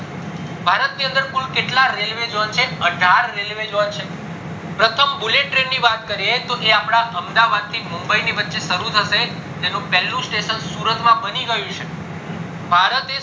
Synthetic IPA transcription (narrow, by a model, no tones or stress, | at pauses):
bʱaɾət̪niənd̪əɾkulkeʈlaɾelʋed͡ʒont͡ʃʰeəɖʱaɾːelʋed͡ʒont͡ʃʰe | pɾət̪ʰəmbuleʈːɾenːiʋat̪kəɾiet̪oʔeapɽ̃aʔəmd̪aʋad̪̚t̪ʰimumbəiniʋətːʃeʃəɾut̪ʰəʃe | t̪enũpɛlːũsʈeʃənsuɾət̪ʰmãbəniɡəjũt͡ʃʰe | bʱaɾət̪e